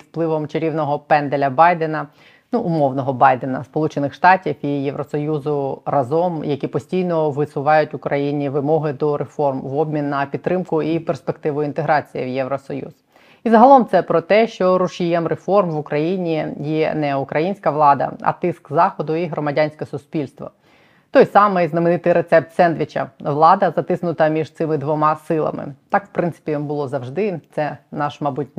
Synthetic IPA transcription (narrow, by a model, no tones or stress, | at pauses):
wplˠɪʋɔmt͡ʃeɾʲiwnɔɦɔpɛnd̪elʲɐbɑjd̪enɐ | nuʔʊmɔwnɔɦɔbɑjd̪enɐspɔlˠut͡ʃenɪxʃt̪ɑtʲiwijeʋɾɔsɔjuzʊrɐzɔmjɐkʲipɔsʲtʲijnɔʋɪsʊʋɑjʊtʲʊkɾɐjinʲiʋɪmɔɦɪd̪ɔɾefɔrmʋɔbʲmʲinːɐpʲid̪t̪ːɾɪmkʊiperspekt̪ɪʋʊjint̪eɦɾɑt͡sʲijḭwjɛʋɾɔsɔjṵz̥ | izɐɦɐlˠɔmt̪sɛpɾɔt̪ɛʃt͡ʃɔɾʊʃijɛmɾefɔrmʋʊkɾɐjinʲijɛnɛʊkɾɐjinʲsʲkɐʋlˠɑd̪ɐ̰ɐ̰t̪ɪskzɑxɔd̪ʊiɦɾɔmɐdʲanʲsʲkɛsʊspʲilʲst̪ʋɔ̰ | t̪ɔjsɑmɪjznɐmenɪt̪ɪjɾet̪sɛp̚t̪sɛnd̪ʲʋʲit͡ʃɐ̰ʋlˠɑd̪ɐzɐt̪ɪsnʊt̪ɐmʲiʒt̪sɪmɪd̪ʋɔmɑsɪlˠɐ̰mɪ̰t̪ɑkʋpɾɪnsɪ̥pʲibʊlˠɔzɐʋʐd̪ɪt̪sɛnɑʃmɐbut̚ʲ